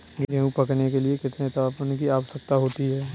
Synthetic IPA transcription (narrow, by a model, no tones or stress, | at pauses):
ɡɡɛũpɐknek̬eliekɪt̪net̪aaːpənkiaːʋsək̚t̪aɦoːt̪iɦɛː